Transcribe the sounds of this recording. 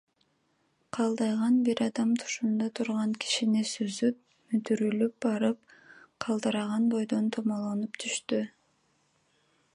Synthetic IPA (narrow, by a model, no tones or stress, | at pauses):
qʰɑlˠd̪ɑjʁɑnbiɾɑd̪ɑmt̪ʰu̥ʃund̪ɑt̪ʰuɾʁɑŋkʰi̥ʃinisøzyp̚ | myt̪yɾylyp̚bɑɾɯp̚qʰɑlˠd̪ɯɾɑʁɑnbo̞jd̪o̞nt̪ʰomolˠonupt̪ʰyʃt̪y